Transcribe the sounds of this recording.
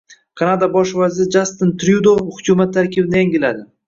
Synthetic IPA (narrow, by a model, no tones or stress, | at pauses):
qʰɑnad̪abɒʃvazɪɾd͡ʒast̪ɪnt̪ɾjud̪ohʊkʲʰumat̪ʰːaɾkʲʰɪbnɪjaŋʲɪlad̪ɪ